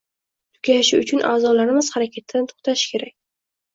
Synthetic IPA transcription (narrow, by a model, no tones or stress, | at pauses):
t̪ʰʊ̥kʲʰaɪʃɪʊt͡ʃʰʊnʔaːzɒlaɾɪmɪz̥haɾakʲʰat̪ʰd̪ant̪ʰo̥χt̪ʰaʃɪ̥kʲʰe̞ɾakʲ